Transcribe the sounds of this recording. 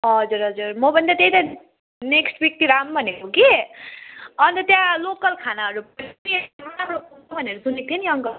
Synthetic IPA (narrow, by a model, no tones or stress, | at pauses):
ɦʌd͡zuɾʌd͡zuɾmʌbʱʌnd̪at̪eit̪a | neksʈbik̚t̪iɾambʱʌnekoki | ʌnt̪ʌt̪jãlokʌlkʰanaɦʌɾupmieonamɽopuobʱʌneɾusunek̚t̪ʰieniʌŋkʌ